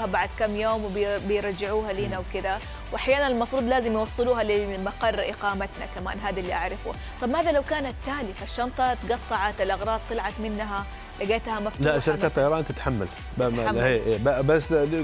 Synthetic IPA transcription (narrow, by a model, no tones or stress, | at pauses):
habaʕd̪kamːjoːmwɪbbɪjɾˤɑd͡ʒːɪʕuːɦaliːnawkɪd̪a | wʔaħjaːnanɪlmɑfɾˤuːd̪ˤlaːzɪmjwɑsˤːɨluːɦalɪmɑqɑrˤːʔɪqɑːmat̪na̰kama̰ːnɦaːd̪alːiʔaʕɾˤɪfṵ | t̪ˤɑbmaːðalawkaːnat̪ːaːlɪfaʃːɑnt̪ˤɑt̪ɡɑt̪ˤːɑʕat̪ɪlʔɑɣɾˤɑːd̪̚t̪ˤːɨlʕɑt̪mɪnːɦa | laɡeːt̪hamaflaʔʃaɾɪkat̪ˤːɑjɑɾˤɑːnt̪ɪt̪ħamːa̰l | beːʔeːbabasː